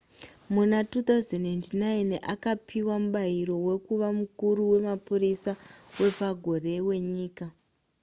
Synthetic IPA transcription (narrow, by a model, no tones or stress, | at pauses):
munatut̪auzenentnaina̰kapʰiwamuɓaiɾo̞we̞kuʋamukuɾuwe̞mapuɾisawe̞paɡʱo̞re̞we̞ɲiːka